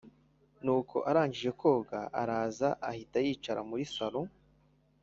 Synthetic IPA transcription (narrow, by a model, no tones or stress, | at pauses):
nuːkʰo̞̰ʔaɾaːɲd͡ʒiʒe̞kʰo̞ːɡaʔa̰ɾaːzaʔahitajiːt͡ʃaɾamuɾisaɾu